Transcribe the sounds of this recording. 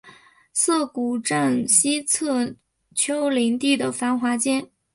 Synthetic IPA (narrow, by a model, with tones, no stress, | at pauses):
sɤ˥˩ku˨˩ʈ͡ʂa˥˩nɕi˥t͡sʰɤ˥˩ | t͡ɕʰjo˥ʊli˧˥ŋt̪i˥˩d̪ə˩fa˧˥nxwa˧˥t͡ɕjɛ˥n